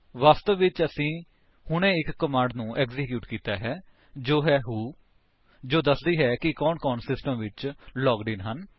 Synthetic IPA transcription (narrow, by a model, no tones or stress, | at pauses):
ʋaːst̪əʋʋɪt͡ʃəsĩː | hʊɳẽːɪkːəmãːɳɖnũːʔɛːkzɪkjuːʈkiːt̪aːɦɛː | d͡ʒoːɦɛːɦuː | d͡ʒoːd̪əsd̪iːɦɛːkɪkɔːnkɔːnsɪsʈəmʋɪt͡ʃlɔːɡɖɪːnɦən